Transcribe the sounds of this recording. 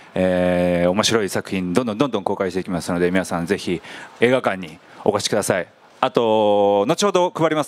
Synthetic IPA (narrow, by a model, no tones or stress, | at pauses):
eːo̞mo̞ɕiɾo̞isakɯ̟çĩnd̪õnd̪o̞nd̪õ̞nd̪õ̞ŋko̞ːkaiɕt̪e̞ikʲimasɨno̞d̪e̞mʲinasãnze̞çie̞ːɡakãɲ̟ːi | o̞̰koɕi̥kɯd̪asai | at̪o̞not͡ɕihod̪o̞kɯ̟baɾimas